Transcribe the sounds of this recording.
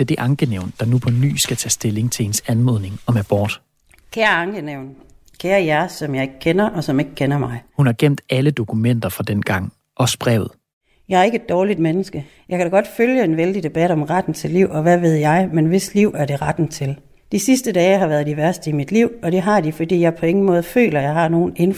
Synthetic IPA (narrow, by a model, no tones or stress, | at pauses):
ded̥e̝ʔɑ̈ŋɡ̥əneʊ̰nd̥ɑ̈nupʰɒ̽ny̰ːsɡ̥æt͡sʰɛ̰ːsd̥e̝le̝ŋt͡sʰe̝ensænmo̝ðˠne̝ŋɒ̽meb̥ɒːd̥ | kʰæːɐɑ̈ŋɡ̥əneʊn | kʰæːɐjæsɒ̽mjɑ̈ɪe̝ɡ̥ə̥kʰenɐʔɒ̽sɒ̽me̝ɡ̥əkʰenɐmɑ̈ɪhunhɑ̈ɡ̥em̰d̥æləd̥o̝kʰumen̰d̥ɐfʁɑ̈d̥enɡ̥ɑ̈ŋ̰ | ʔɒ̽sb̥ʁɛ̰ʊ̰ð̩ˠ | jɑ̈ɪæɐe̝ɡ̥əed̥ɒːlid̥menəsɡ̥ə | jɑ̈ɪkʰæɾæɡ̥ɒ̽d̥føljəe̝nʋeld̥id̥e̝b̥æɾ̥ɒ̽mʁad̥n̩t͡sʰe̝liʊ̰ʔɒ̽ʋæʋe̝ð̞̰ˠjɑ̈ɪmenʋe̝sliʊ̰æɐɾe̝ʁad̥n̩t͡sʰe̝l | d̥isisd̥əd̥ɛːɪɦɑ̈ʋæɐð̞̩ˠd̥iʋæɐsd̥əimid̥liʊ̰ɒ̽d̥e̝ɦɑ̈d̥ifɒ̽d̥ḭːjɑɪpʰɒ̽e̝ŋn̩mɔ̽ːð̞̩ˠfø̰ːlɐjɑ̈ɪɦɑ̈no̝ːn̩e̝n